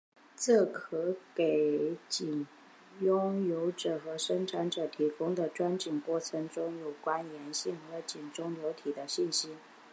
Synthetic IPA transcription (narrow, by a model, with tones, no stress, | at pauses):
t͡sɤ˥˩kʰɤ˧˥ke˨˩ɪt͡ɕi˨˩n | jʊ˥ŋjo˧˥ʊʈ͡ʂɤ˨˩xɤ˧˥ʂə˥ŋʈ͡ʂʰa˧˥nʈ͡ʂɤ˨˩t̪ʰi˧˥kʊ˥ŋd̪ə˨ʈ͡ʂwa˥nt͡ɕi˨˩ŋkwɔ˥˩t͡sʰɤ˧˥ŋʈ͡ʂʊ˥ŋjo˨˩ʊkwa˥njɛ˧˥nɕi˥˩nxɤ˧˥t͡ɕi˨˩nʈ͡ʂʊ˥ŋljo˧˥ʊt̪ʰi˨˩d̪ə˦ɕi˥˩nɕi˥